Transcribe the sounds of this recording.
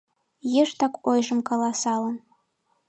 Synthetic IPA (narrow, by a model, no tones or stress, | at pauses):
jeʃt̪ɑkojʒɤ̆mkɑlˠɑsɑlˠɤn